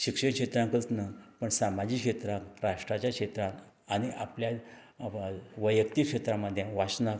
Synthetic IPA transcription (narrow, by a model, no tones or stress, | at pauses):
ɕikʂekʂet̪ɾãŋkət͡snəpəɳsamad͡ʑiːkʂet̪ɾãkɾaʂʈɾat͡ɕjakʂet̪ɾãn | aɽ̃iʔaplja | ʋəjəkt̪ikʂet̪ɾãməd̪ʱːjẽʋasna